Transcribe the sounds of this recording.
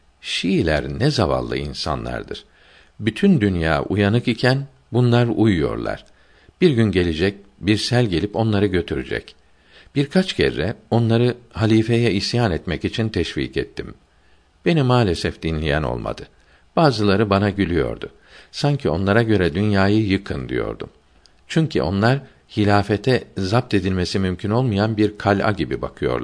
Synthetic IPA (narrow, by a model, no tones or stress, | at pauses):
ʃijilʲæ̰ɾnɛzava̰lˠːɯ̰ḭnsa̰nlˠa̰ɾd̪ɯ̰ɾ̥ | byt̪ʰynd̪ynja̰ːʔujanɯkicʰæn | bunlˠaɾujujo̞̰ɾlˠa̰ɾ̥ | b̥iɾɟynɟe̞lʲid͡ʒɛc̚biɾsælʲɟe̞lʲipo̞nlˠaɾɯɟø̞t̪ʰyɾy̰d͡ʒɛ̰c | b̥iɾkʰat͡ʃcʰɛ̰ɾːɛo̞nlˠaɾɯhalʲiːfejɛisjaːnɛt̪mɛcit͡ʃʰint̪ʰɛʃvḭːkɛ̰t̪ʰːim | b̥e̞nimaːlʲesɛfd̪̥inlʲijæ̰no̰lˠma̰d̪̥ɯ | b̥aːzɯlˠaɾɯbanaɟylʲyjo̞̰ɾd̪ʊ | saɲcʰio̞̰nlˠaɾaɟø̞ɾɛd̪ynjaːjɯjɯkʰɯnd̪ḭjo̞̰ɾd̪ṵm | t͡ʃʰyɲcʰḭʔo̞̰nlˠaɾ | hilʲaːfet̪ʰɛzap̚t̪e̞d̪ilʲme̞simymcʰyno̞lˠmɯjanbiɾkʰalʲa̰ɟibiba̰kʰɯjo̞̰ɾˠ